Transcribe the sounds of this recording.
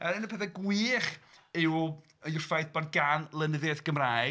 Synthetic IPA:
ɛɾɪnəpʰɛθɛɡwiːχɪw | əjʊr̥fajθbɔdɡanlˠənɪðjɛðɡ̥əmraːj

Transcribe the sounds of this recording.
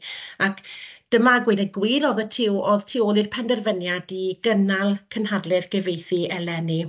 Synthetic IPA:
akd̥əmaɡwɪdɛɡwɪːɾɔðətʰɪwoðtʰɪoːlˠirpʰɛndɛrvənjadiɡ̥ənalˠkʰənhadlˠɨrɡɛvejθiɛlɛni

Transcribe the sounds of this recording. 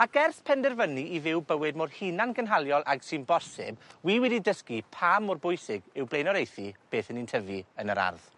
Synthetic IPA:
aɡɛrθpʰɛndɛrvəniivɪwbəwɨdmor̥hinanɡənɦalˠjɔlˠʔaɡ̥sɨnbɔsɪb̚wiːwɛdidəskipʰamʊrbʊɨsɪɡɪwblejnɔɾejθib̥eːθənintʰəviənəɾa̰rð̥

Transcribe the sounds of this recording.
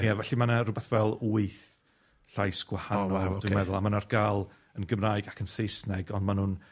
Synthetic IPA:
javɛɬimanarʊbɛθvɛlˠuɨθ | ɬajsɡ̥wahanɔlˠdwmɛðʊlˠamanarɡalˠ | ənɡəmrajɡakʰənsejsnɛɡɔndmanuːn

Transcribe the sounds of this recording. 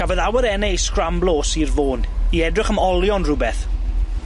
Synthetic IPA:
avɔðawəɾɛnɛjskramblˠoːsirvoːniɛdrɪχəmɔlˠjɔnrʊbɛθ

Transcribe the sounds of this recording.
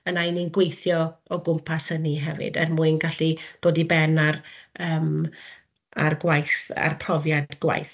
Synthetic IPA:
ənajninɡwejθjɔɔɡʊmpʰasəniɦɛvɨ̰dənmʊɨnɡaɬid̥oːdibɛnarəːm | arɡwajθa̰rpʰrɔvjadɡwa̰jθ

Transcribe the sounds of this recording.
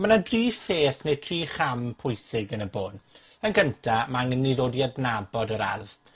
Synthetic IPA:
mənadriːfeːθnejtʰriːχampʰʊjsɪɡənəboːn | ənɡəntʰamaŋənːiðoːdiadnabɔdəɾa̰rð

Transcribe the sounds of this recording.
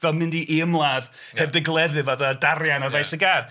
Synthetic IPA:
vɛlˠmɪndiʔiəmlˠað | hɛb̚dɛɡlˠɛðɨvadadaɾjanɔrvajsəɡaːr

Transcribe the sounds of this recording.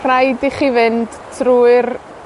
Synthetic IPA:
rajdiχivɨnd̥ | tʰruːɨr

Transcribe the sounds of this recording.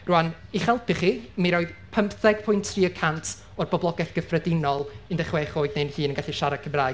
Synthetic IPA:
ruaniχɛlˠpʰɪχiːmiɾɔːɨðpʰəmpθɛɡ̥̚pʰʊjntʰriːəkʰantʰ | ɔrbɔblˠɔɡɛθɡ̥əfrɛdɪnɔlˠɨndɛχwɛχoːɨdnejnhiːnəŋɡaɬiʃaɾakʰəmraː

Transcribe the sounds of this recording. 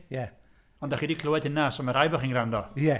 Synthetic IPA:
jɛ | ɔndaχiːdikʰlˠʊwɛd̥ɪnasɔmaɾajbɔχiːnɡrandɔjɛ

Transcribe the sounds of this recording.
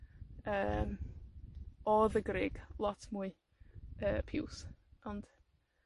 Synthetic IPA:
əːm | ɔðəɡrɪɡ̥lˠɔtʰmuɨ | əːpʰɪwsɔnd̥

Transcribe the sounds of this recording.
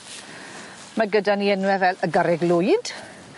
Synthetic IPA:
maɡədaniɛnwɛvɛləɡaɾɛɡlʊjd̥

